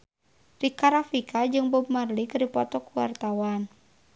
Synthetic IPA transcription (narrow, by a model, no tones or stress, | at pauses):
rikaɾafikʰad͡ʒɨŋbɔbmarlikɾipɔt̪ɔkuwa̰rt̪awan